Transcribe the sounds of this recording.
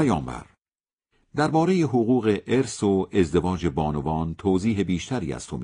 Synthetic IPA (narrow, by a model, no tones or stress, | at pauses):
æjɒːmbæ̰ɾ | d̪æɾbɒːɾejeɦoɣuːɣe̞ʔeɾsoezd̪e̞vɒːd͡ʒe̞bɒːnovɒːnt̪ʰoːziːɦe̞biːʃt̪ʰæɾḭːæ̰st̪ʰomi